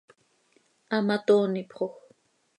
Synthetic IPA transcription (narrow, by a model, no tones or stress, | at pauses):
amat̪oːnipχox